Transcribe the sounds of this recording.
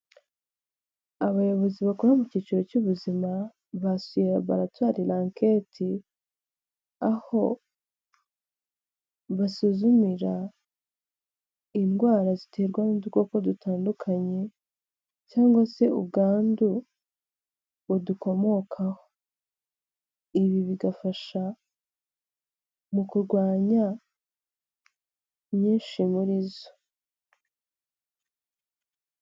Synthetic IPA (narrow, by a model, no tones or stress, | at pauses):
aβajo̞βo̞ziβakoɾamucit͡ʃiɾo̞cuβuzima | βasujeɾaβa̰ɾatwaːɾilaːŋke̞ːtʰi | aho̞ | βasuzumiɾa | inɡwaːɾazitʰe̞ːɾɡwanuduɡo̞ko̞dutʰaːndukʰaɲe̞ | caːŋɡwase̞ṵb̚ɡaːndu | βuduko̞mo̞kʰaho̥ | iβiβiɡafaʃa | mukuɾɡwaːɲa | mɲiːnʃimuɾizo̥